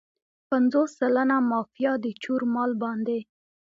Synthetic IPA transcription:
panzosːalanamɑfijɑd̪ət͡ʃuɾmɑlbɑnd̪e

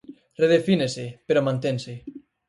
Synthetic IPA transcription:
reð̞efinesepeɾomãnt̪ense

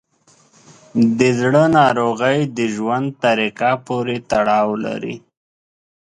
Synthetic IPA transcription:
d̪əzɽənɑɾoɣəjd̪əʒwand̪̚t̪aɾikapoɾet̪aɽɑwla̰ɾḭ

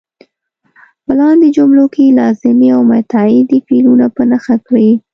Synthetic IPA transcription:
pəlɑnd̪ed͡ʒʊmlokelɑzɪmiawmat̪ɑid̪ifilunapənaxakɽi

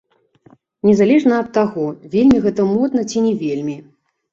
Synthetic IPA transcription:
nʲɛzalʲɛʐnɐɐt̪ːaɣɔvʲelʲmʲiɣɛt̪ɐmɔd̪nɐt͡sʲinʲɛvʲelʲmʲi

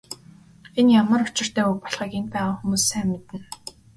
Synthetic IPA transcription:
enjamə̆rʊt͡ɕɪ̆r̥t̪æːujpɔɮʁiːkenpæːʁaːxumuːsːæːmet̪ɘ̆n

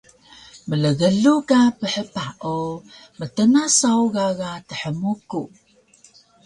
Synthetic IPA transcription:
mələɣəɮukapəħəpaʔumətənasawɣaɣatəħəmuku

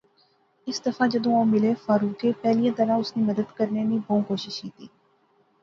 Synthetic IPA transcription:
ɪsd̪ɐfad͡ʒɐd̪õõːmɪlefaːɾuːkepɛːlijãt̪ɐɾãʊsnemɐd̪əd̪kɐɾnenibõːkoːʃɪʃkiːt̪iː

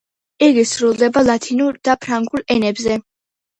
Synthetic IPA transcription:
iɡisɾulˠd̪ɛbalˠat̪ʰinuɾd̪̥apʰɾaŋɡulɛnɛbzɛ

